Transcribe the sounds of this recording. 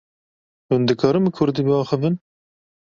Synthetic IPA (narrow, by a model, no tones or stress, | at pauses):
hund̪ɨkʰɑːɾɨmkʰʊɾd̪iːbɨɑːxɨvɨn